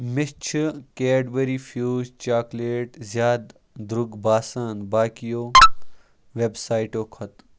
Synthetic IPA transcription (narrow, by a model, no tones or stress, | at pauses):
mɪst͡ʃʰkeːɖbɐɾiːfʰjuːzt͡ʃaːkleːʈzjaːd̪ | d̪ɾʊɡbaːsaːnbaːkijoː | ʋebsaːjiʈoːkʰɐt̪